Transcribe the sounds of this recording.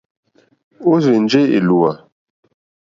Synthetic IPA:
o˦ze˨n˦d͡ʒe˦ḛ˨lu˨wa˨

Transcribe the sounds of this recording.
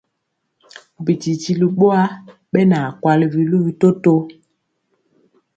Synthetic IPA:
bi˨ti˨ti˨li˨ɓo˦a˦ | ɓɛ˦na˨kwa˨li˨vi˨lu˦vi˨to˦to˦

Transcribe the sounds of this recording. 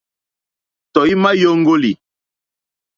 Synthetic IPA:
tɔ˨i˦ma˦jo˦ŋ˦ɡo˦li˨

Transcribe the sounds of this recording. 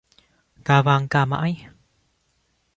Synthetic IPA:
kaː˨˩vaː˧˩ŋkaː˧˩ma̰ː˧˥j

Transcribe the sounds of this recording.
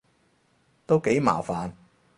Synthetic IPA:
t̪o˥wke˨˥jma̰ː˨˩wfaː˨n

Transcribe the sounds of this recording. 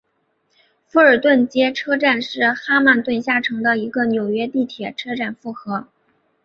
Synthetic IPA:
fu˧˥˩ə˞˨˩t̪wə˥˩nt͡ɕjɛ˥ʈ͡ʂʰɤ˥ʈ͡ʂa˥˧nʂɻ̩˥˩xa˥ma˥˧nt̪wə˥˧nɕja˥˩ʈ͡ʂʰɤ˧˥ŋd̪ə˧i˧˥ɡə˧njo˨˩ʊɥɛ˥t̪i˥˩t̪ʰjɛ˨˩ʈ͡ʂʰɤ˥ʈ͡ʂa˥˩nfu˥˩xɤ˧˥

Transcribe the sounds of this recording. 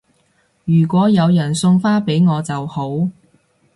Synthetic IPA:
jyː˨˩kʷɔː˨˥jɐ˨˧wjɐ˨˩nsʊ˧ŋfaː˥pe˨˥jŋɔː˨˧t͡sɐ˨who˨˥w

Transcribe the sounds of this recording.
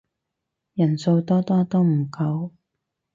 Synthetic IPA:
jɐ˨˩nso˧wt̪ɔː˥t̪ɔː˥t̪o˥wm̩˨˩kɐ˧w

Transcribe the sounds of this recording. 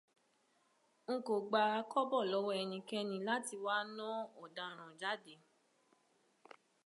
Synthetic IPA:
ŋ̩˦ko˨ɡ͡ba˧˦kɔ˦bɔ˦˨lɔ˨˦wɔ˦ɛ˧nĩ˧kɛ˧nĩ˧la˦ti˧wa˦nɔ̃˦ɔ˨da˨ɾ̃ã˨d͡ʒa˨˦de˨˦

